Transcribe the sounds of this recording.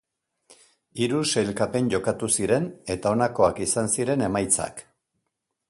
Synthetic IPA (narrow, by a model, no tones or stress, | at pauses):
iɾuse̞lkape̞nʝo̞kat̪usiɾe̞ne̞t̪ao̞nako̞akisansiɾe̞ne̞majt͡sa̰k